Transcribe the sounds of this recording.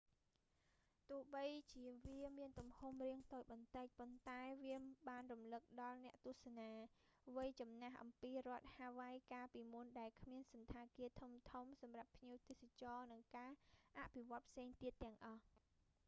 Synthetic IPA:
t̪ʊəhɓəjt͡ɕiəʋiəmiənt̪umhumriəŋt̪oːc̚ɓɑnt̪ɨc̚pont̪aɛʋiəɓaːnrumlɨk̚ɗɑlnɛ̆əʔt̪ŭəhsanaːʋɨjt͡ɕɑmnaɦʔɑ̰mpiːrŏət̪̚haːʋajkaːpiːmunɗaɛlkʰmiənsɑnt̪ʰaːkiət̪ʰumt̪ʰumsɑmrapʰːɲiəwt̪eːsat͡ɕɑːnɨŋkaːʔaʔpʰiʋŏət̪̚pʰseːŋt̪iət̪ːɛ̆əŋʔɑh

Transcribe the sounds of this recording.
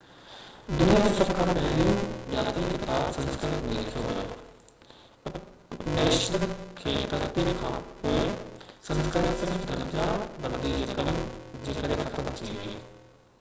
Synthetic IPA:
d̪ʊnijad͡ʑisɐkʰːãːpɛːliũd͡ʑaːt̪ikʰɪkt̪aːbsɐ̃nskəɾɪkɦoːiɐkʰjoɦojo̰ː | nɛːʃɾkʰeːt̪ɐt̪ikʰãːpoːesɐ̃nskɾəɾɪksɪɾfd̪ʱɐɾd͡ʑabɐ̃nd̪id͡ʑeːkɐmd͡ʑeːkɐɾexʰɐt̪əmt͡ɕɐiɦoieː

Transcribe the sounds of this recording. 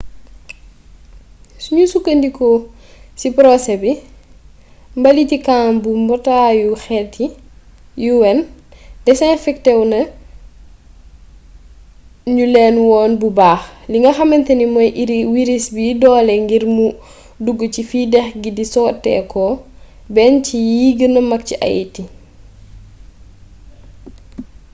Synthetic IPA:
suɲusukːəndikɔ | sipɾɔsɛbi | mbɐlitikaːmbumbɔtaːjuxɛːtːi | juwɛn | dɛsɛfɛk̚tɛwnɐ | ɲulɛːnwɔːnbubaːxliŋɡɐxɐmɛntɛnimɔjʔiɾiwiɾisbidɔːlɛŋɡiɾmu | duɡːəcifidɛxɡidisɔːtːɛ̰ːkɔ | bɛncijiːɡənɐmɐk̚ciʔɐ̰jḭti

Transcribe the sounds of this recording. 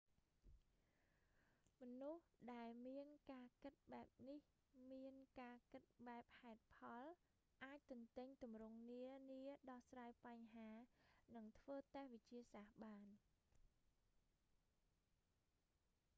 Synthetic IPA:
mɔnuhɗaɛlmiənkaːkɨt̪̚ɓaɛp̚nih | miənkaːkɨt̪̚ɓaɛp̚haɛt̪̚pʰɑl | ʔaːc̚t̪ʊŋt̪ɨɲt̪umrʊŋniəniəɗɑhsraːjpaɲɦaːnɨŋt̪ʰʋəːt̪ahʋɨc̚t͡ɕiəsahɓaːn

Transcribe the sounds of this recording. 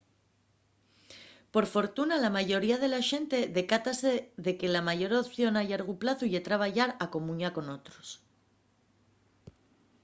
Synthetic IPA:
po̞ɾfo̞ɾt̪unalamaʝo̞ɾiaðe̞laʃe̞nt̪e̞ðe̞kat̪ase̞ðe̞ke̞lamaʝo̞ɾopθjo̞naʎaɾɣ̞uplaθuʝet̪ɾaβ̞aʝaɾako̞mũɲako̞no̞t̪ɾo̞s

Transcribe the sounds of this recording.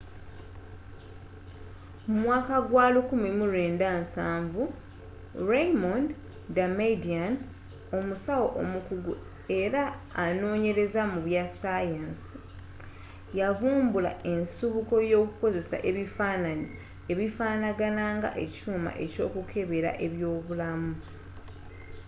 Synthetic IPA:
mumwaːkaɡwaːlukumimuɾe̞ːndaːnsaːɱvu | ɾejmond | damedian | o̞musawoʔomukuɡu | e̞ɾaːno̞ːɲe̞ɾe̞zamuβjasajansi̥ | javuːmbula̰e̞nsuβuko̞jo̞ːkuko̞ze̞sa̰ʔe̞βifaːnaɲi | e̞βifaːnaɡanaːŋɡa̰ʔe̞̰cuːma̰ʔe̞co̞̰ːkukʰe̞βe̞ɾa̰ʔe̞βjo̞ːβulamu

